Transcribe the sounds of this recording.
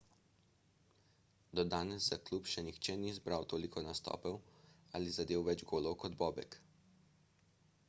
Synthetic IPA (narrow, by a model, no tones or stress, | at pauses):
d̪ɔd̪aːnɛzzaklupʃɛnixt͡ʃɛnizbɾawt̪oːlikʰɔnast̪ɔ̰ːpɛwalizad̪eːwʋɛd͡ʒɡoːlɔwkɔd̪bɔːbɛ̰k